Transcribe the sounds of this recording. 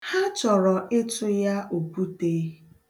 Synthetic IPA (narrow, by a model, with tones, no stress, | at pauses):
ha˦t͡ʃɔ˨ɾɔ˨ʔɪ˦tʊ˦ja˦o˨pu˦te˦